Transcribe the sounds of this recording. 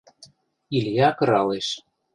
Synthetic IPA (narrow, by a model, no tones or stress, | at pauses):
iljɑkɤ̆ɾɑleʃ